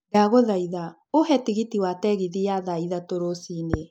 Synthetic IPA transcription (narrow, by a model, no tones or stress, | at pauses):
ɡaɣoðaiða | ohɛtiɣitiwatɛɣiðijaðaiðatoɾosine